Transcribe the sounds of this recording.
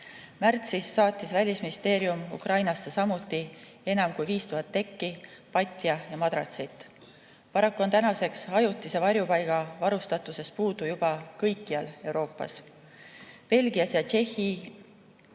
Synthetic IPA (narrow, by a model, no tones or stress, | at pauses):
mært̪sisːɑːt̪ːˑisvælʲisminist̪e̞ːɾiumṵkrɑjnɑsːesɑmut̪ːˑi | e̞nɑmkujviːst̪uɦɑt̪ːe̞kːipɑt̪ʲːˑjɑjɑmɑd̪̥ɾɑ̰t̪sit̪ˑː | pɑɾɑkːuo̞nt̪ænɑse̞ksɑjut̪ːˑise̞vɑɾjupɑjɡ̥ɑvɑɾust̪ɑt̪ˑuse̞spuːd̪̥ujub̥ɑkɤjkːiɑle̞wɾo̞ːpːˑɑ̰s | pe̞lɡ̥iɑsjɑt͡ʃe̞hi